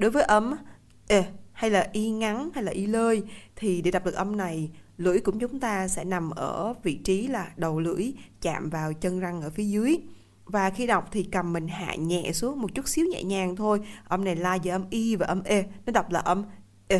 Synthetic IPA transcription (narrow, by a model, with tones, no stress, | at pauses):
ɗo˨˦jvəː˨˦jʔə˧m | ʔe˧˩ha˧jlaː˨˩ʔi˧ŋa˨˦nha˧jlaː˨˩ʔi˧ləː˧jt̪ʰi˨˩ɗe˧˩ɗa˨˩k͡p̚ɗk̚ʔə˧mna˨˩j | lɨ̰˧˥əjkʊ̰˧˥ŋ͡mt͡ɕʊ˨˦ŋ͡mt̪aː˧sɛ̰˧˥na˨˩mʔəː˧˩vḭ˧˨t͡ɕi˨˦laː˨˩ɗə˨˩wlɨ̰˧˥əjt͡ɕa̰ː˧˨mvaː˨˩wt͡ɕə˧nza˧ŋʔəː˧˩fi˨˦əzɨ˨˦əj | vaː˨˩xi˧ɗa˨˩wk͡p̚t̪ʰi˨˩kə˨˩mːï˨˩ŋ̟ɦa̰ː˧˨ɲɛ̰˧˨su˨˦ək̚mo˨˩t̚t͡ɕu˦˥t̚si˨˦əwɲɛ̰˧˨ɲaː˨˩ŋt̪ʰo˧jʔə˧wŋ͡mna˨˩jlaː˧vəː˧˩ʔə˧mʔi˧vaː˨˩ʔə˧mʔe˧nɔ˨˦ɗa˨˩wk͡p̚laː˨˩ʔə˧m | ʔe˧